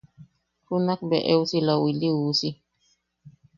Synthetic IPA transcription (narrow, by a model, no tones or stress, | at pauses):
funak̚bɛʔewsilɔwiliuːsi